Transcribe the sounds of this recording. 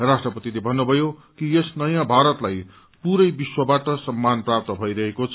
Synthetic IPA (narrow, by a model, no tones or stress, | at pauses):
rasʈrʌpʌt̪ilebʱʌnːubʱʌjokiesnʌjãbʱaɾʌt̪laj | puɾʌjbiswʌbaʈʌsʌmːanprap̚t̪ʌbʱʌiɾʌɦekot͡sʰ